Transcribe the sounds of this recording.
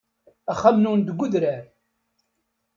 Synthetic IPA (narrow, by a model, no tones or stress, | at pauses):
æχæmnund̪əɡʷːʊðɾæɾ